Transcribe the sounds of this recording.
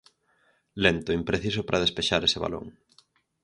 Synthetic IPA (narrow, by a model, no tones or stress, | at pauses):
lent̪oimpɾeθisʊpɾʔɐð̞espeʃaɾeseβa̰lo̰ŋ